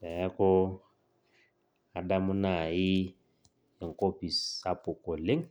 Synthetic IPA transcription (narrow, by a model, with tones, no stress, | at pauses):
ɛ˨ɛ˦kɔ˦ | a˨da˦mʊ˦na˨ɪ˦ | e˨ŋ̩˨ko˦pi˨sa˦pʊ˨ko˨le˦ŋ